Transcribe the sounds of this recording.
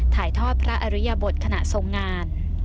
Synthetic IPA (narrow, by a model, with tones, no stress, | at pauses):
t̪ʰaː˩˦jt̪ʰɔː˥˩t̪̚pʰɾa˦˥ʔa˧ɾi˦˥ja˧bo˨˩t̪̚kʰa˧na˨˩ʔso˨˩˦ŋːaː˧n